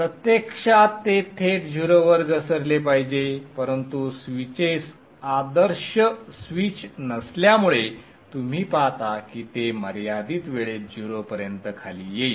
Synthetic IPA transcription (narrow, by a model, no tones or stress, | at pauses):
pɾət̪jekʂat̪ːet̪ʰet̪d͡ʑʱuɾəʋəɾɡəsəɾlepaɦid͡ʑepəɾənt̪usʋit͡ɕes | ad̪əɾɕəsʋiːt͡ɕnəsljamuɭe | t̪um̤iːpaɦt̪akiːt̪eməɾjad̪iːt̪ʋeɭet̪̚d͡ʑʱuɾəpəɾjənt̪əkʰaliːjei